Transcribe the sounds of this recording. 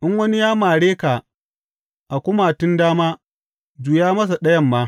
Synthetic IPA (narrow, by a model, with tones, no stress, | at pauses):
ʔɪ˦ŋwɐ˦ni˦jaː˦maː˨ɽeː˦ka˨ | ʔa˨kʷʊ˦ma˨tʊ˦ndaː˦maː˦ | d͡ʒu˨jaː˦mɐ˦s̬a˨ɗɐ˦jɐ˦mːaː˦